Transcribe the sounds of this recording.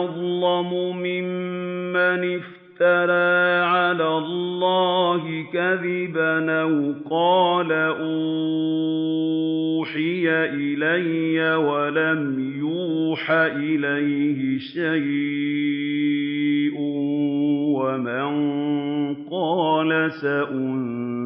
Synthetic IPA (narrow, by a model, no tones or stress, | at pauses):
ðˤlɑmʊmɪmːanɪf | t̪aɾˤaːʕalaːlˤːɑːɦɪkaðɪbanawqɑːlaʔu | ħɪjaʔɪlajːawalamjuːħaʔɪlajhɪʃaj | ʔʊ | wamanŋ | qɑːlasaʔʊn